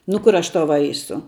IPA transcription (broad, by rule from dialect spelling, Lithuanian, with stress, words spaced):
nʊ ˈkʊr ˈɐʃ ˈtɐʊ ˈʋɐɪsʊ